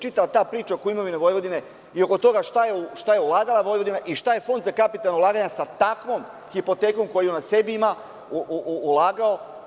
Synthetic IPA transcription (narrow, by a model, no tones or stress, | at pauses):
t͡ʃit̪alat̪aːpɾiːt͡ʃaokoimoʋineʋo̞jʋo̞d̪ine | io̞ko̞t̪o̞ɡaʃt̪ajeuʃt̪ajeulˠaːɡalaʋo̞jʋod̪inaʔiʃt̪aje̞fo̞nd̪zakapit̪alnoulˠaːɡaɲasat̪akʋo̞m | xipo̞t̪eːkomko̞jijenase̞biima | uʔuːlaːɡao̞